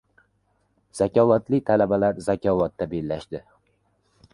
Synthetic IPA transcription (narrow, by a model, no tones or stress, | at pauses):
z̥akʲʰɒvat̪lɪt̪ʰalabalaɾzakʲʰɒvat̪ːabelːaʃd̪ɪ